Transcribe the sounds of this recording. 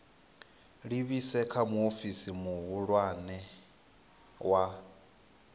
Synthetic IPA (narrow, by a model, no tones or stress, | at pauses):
ɺiβisɛkʰamuofisimuɦuɺwanɛ | wa